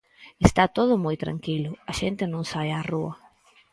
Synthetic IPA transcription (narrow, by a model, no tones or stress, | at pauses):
est̪at̪oð̞ʊmojt̪ɾa̰ŋkilʊaʃent̪ɪnõŋsajaruɐ